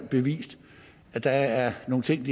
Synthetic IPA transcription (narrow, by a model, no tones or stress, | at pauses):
b̥e̝ʋḭːsd̥ | æd̥ɑ̈æɐno̝ːn̩t͡sʰe̝ŋ̰d̥i